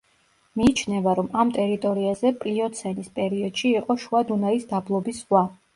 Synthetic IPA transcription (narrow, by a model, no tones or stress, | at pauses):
miːt͡ʃʰnɛvaɾɔmamt̪ʼɛɾit̪ʼɔɾiazɛpʼliɔt̪sʰɛnispʼɛɾiɔd̪̥ʃiːqʼɔʃuad̪unaisd̪ablˠɔbiswa